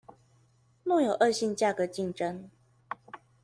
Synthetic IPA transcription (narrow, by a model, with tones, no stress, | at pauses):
nɔ˥˩ŋjo˨˩ʊʔə˥˧ɕi˥˧nt͡ɕja˥˩kɤ˨˦t͡ɕi˥˩ŋʈ͡ʂə˦ŋ